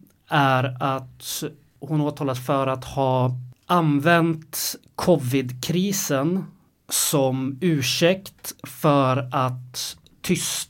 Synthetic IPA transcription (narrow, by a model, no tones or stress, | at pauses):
æɾat̪ | hʊnoːt̪ʰɑːlasfœɾat̪hɑːʔanvɛnt̪kʰɔvɪd̪kʰɾiːsən | sɔmʉ̟ːʂɛkt̪fœɾat̪ʰː | ʏs